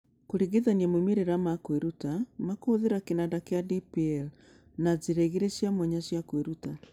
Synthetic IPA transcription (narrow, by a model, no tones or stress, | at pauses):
koɾiɣeðaniamomeɾeɾamakweɾutamakoːðeɾakenadakeadipiɛl | nazeɾeɣeɾesjamɔɲaɕjakweɾuta